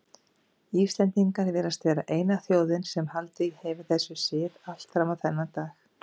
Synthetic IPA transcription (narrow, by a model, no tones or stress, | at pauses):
iːfst̪lɛnt̪iŋkaɾvɛːɾast̪vɛːɾaʔeːjnaθjoːwðɪnsɛmhalt̪ɪɣhɛvaθɛsːʏsɪːðal̥t̪fɾawmaðθɛnːat̪aːx